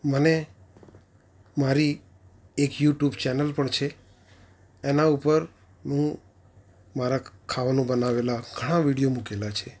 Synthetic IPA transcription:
məne | maɾi | ekjuʈjubt͡ʃɛnəlpəɳt͡ʃʰe | naupəɾ | nũ | maɾakʰaʋanũbənaʋelaɡʱəɽ̃aʋiɽijomukelat͡ʃʰe

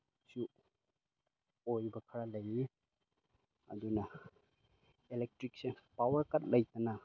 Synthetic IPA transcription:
su | ojbɐkʰɐɾalɐji | ɐ̰dunɐ | elek̚tɾik̚sepawɐɾkɐt̚lɐjtɐnɐ

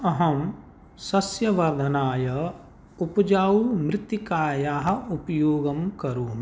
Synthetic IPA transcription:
ɐɦɐm | sɐsjɐʋɐɾd̪ʱɐnaːjɐ | upɐd͡ʒaːumɾɪt̪jikaːjaːɦɐ̆upɐjoːɡɐmkɐɾuːm

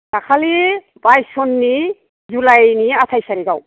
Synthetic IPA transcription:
d̥akʰali | pajsɔnːi | zulajniat̪ʰajsaɾiɡaw

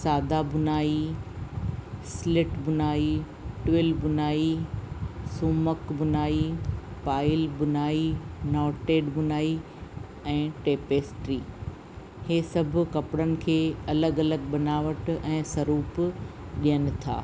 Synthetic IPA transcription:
saːd̪ʱabʊnaːi | slɪʈbʊnaːi | ʈʋɪlbʊnaːi | suːməkbʊnaːipaːɪlbʊnaːinɔːʈeːɖɓʊnaːi | ɛ̃ːʈeːpeːsʈɾiː | heːsɐbʱʊ̆kɐpɪɽənɪ̆kʰeːɐləɡɐləɡɓɐnaːʋəʈɛ̃ːsɐɾuːp | ɗijənɪ̆t̪ʰa̰ː

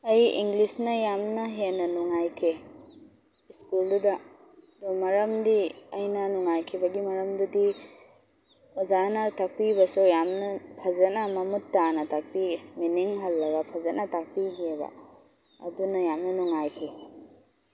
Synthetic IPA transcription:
ɐjḭŋɡlisnɐjamnɐɦenːɐnuŋajkʰe | iskuldudɐ | domɐɾɐmdiɐjnɐnuŋajkʰibɐɡimɐɾɐmdudi | ozanɐtak̚pibɐsujamnɐpʰɐzɐnɐmɐmutːanɐtak̚piminiŋɦɐlːɐɡɐpʰɐzɐnɐtak̚piɦebɐ̰ | ɐ̰dunɐjamnɐnuŋajkʰi

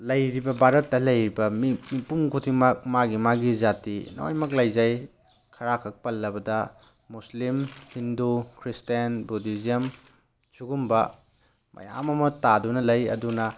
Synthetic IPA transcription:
lɐjɾibɐbʱaɾɐtːɐlɐjɾibɐmimipuŋkʰutʰimɐk̚maɡimaɡizatino̰o̰jmɐk̬̚lɐjzaj | kʰɐɾakʰɐk̚pɐlːɐbɐdɐ | muslimhindukʰɾistenbudizijɐm | suɡumbɐ | mʔɐ̰ja̰mɐmɐtadunɐlɐjɐ̰dunɐ

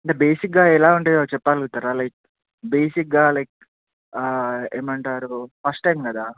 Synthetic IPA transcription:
ɐɳʈebeːsikɡaːɛlaːuɳʈeːat͡ʃɛpːaːluɡut̪aɾaːlajk̚ | be̞ːsik̚ɡaːlɐjk̚ː | eːmɐɳʈaːɾufɐsʈːɐjmkɐd̪aː

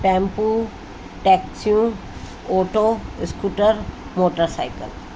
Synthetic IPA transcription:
ʈɛ̃ːmpu | ʈɛːksijũ | oːʈoskuːʈəɾ | moːʈəɾsaːɪkə̰l

